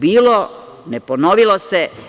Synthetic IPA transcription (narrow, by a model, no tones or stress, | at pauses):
biːlo | neponoʋilose